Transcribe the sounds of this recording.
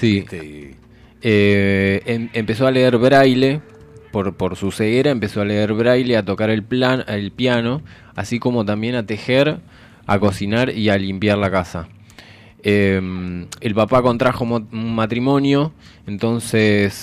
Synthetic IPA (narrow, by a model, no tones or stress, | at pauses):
si | e | empe̞so̞aleeɾβɾajle̞ | poɾpo̞ɾsuseɣeɾaempe̞so̞aleeɾβɾajleat̪o̞kaɾe̞lplanelpjano̞ | a̰siko̞mo̞t̪ambje̞nat̪e̞xeɾ | a̰ko̞sinaɾialimpjaɾlakasa | emelpapako̞nt̪ɾaxomunmat̪ɾimo̞njo̞ | ent̪o̞nses